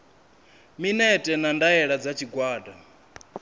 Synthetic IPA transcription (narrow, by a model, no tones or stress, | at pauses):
minɛtʼɛnandaɛɺad͡zat͡ʃʰiɡwaːda